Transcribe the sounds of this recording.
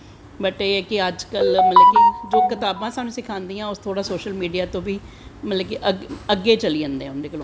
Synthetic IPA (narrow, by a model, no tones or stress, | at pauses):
bəʈːɛːkɪəd͡ʒkəlmət̪ləkid͡ʒoːkɪt̪aːbãːsaːnũːsɪkʰãːnd̪iːãːʊst̪ʰoːɽaːsoːʃəlmiːɖijaːt̪õːʋiː | mət̪ləkiʔəɡəɡeːt͡ʃəliːə̃nd̪eɛ̃ʊnd̪eːkəlõ